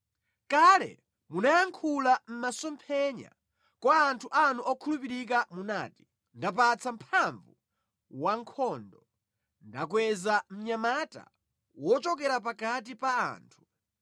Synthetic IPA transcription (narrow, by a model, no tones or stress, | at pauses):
kalɛ̰ | munajaŋkʰulam̩masɔmpʰɛɲa̰ | kwaːntʰuʔanuʔɔkʰulupiɾik̬amuna̰ːti̥ | ndap̬at͡sʰam̩pʰaɱvu | waŋkʰɔndɔ | ndakwɛzam̩ɲamata̰ | wɔt͡ʃɔk̬ɛɾap̬akat̬ipaa̰ːntʰu̥